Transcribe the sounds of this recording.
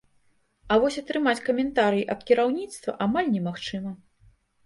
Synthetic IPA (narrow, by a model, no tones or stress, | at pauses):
ɐvɔsʲɐt̪ɾɨmat͡sʲkɐmʲɛnt̪aɾɨjiʔɐpkʲiɾawnʲit̪st̪vɐ̰ʔamalʲnʲɛmaxt͡ʂɨmɐ